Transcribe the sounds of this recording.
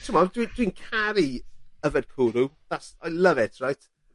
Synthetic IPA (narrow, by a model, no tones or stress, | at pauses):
tʰəmadwid̥winkʰaɾiəvəd̥̚kʰuːɾuðasajlˠəvɪtʰɹajt